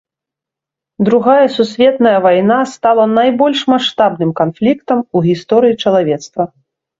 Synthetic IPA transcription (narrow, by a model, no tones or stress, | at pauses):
d̪ɾuɣajɐsusʲvʲɛt̪nɐjɐvajnast̪alˠɐnajbɔlʲʂmaʂt̪abnɨmkanflʲikt̪ɐmuɣʲist̪ɔɾɨjit͡ʂɐlˠavʲɛt̪st̪vɐ